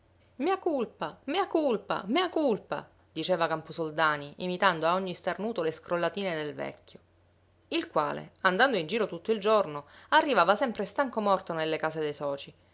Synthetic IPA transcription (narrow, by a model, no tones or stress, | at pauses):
miakulpamiakulpa̰miakulpa̰ | d̪̥it͡ʃeːvakamposold̪aːniʔimit̪and̪oaoɲːist̪arnuːt̪oleskɾolːat̪iːned̪elvɛ̰cʰʲːjo | ilkwa̰ːlḛand̪and̪oind͡ʒiːɾot̪ut̪ːoild͡ʒornoarːivaːvasɛmpɾest̪aŋkomɔrt̪onelːekaːsed̪ejsɔːt͡ʃi